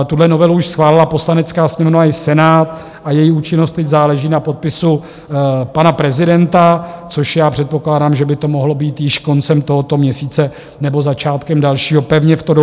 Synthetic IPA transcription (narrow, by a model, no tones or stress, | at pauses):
t̪udlɛno̞vɛluuʃsxvaːlɪlapo̞slanɛt͡skaːsɲɛmvnoaɪsɛnaːt̪ | ʔajɛjiuːt͡ʃɪnost̪ːɛczaːlɛʒiːnapo̞t̪̚pɪsu | panapɾɛzɪdɛnt̪at͡so̞ʃjaːpr̥ɛt̪̚po̞klaːdaːmʒɛbɪt̪o̞moɦlo̞biːt̪jɪʃko̞nt͡sɛmt̪o̞ɦot̪o̞mɲɛsiːt͡sɛ | nɛbo̞zat͡ʃaːt̪kɛmdalʃiːɦo̞pɛvɲɛft̪odo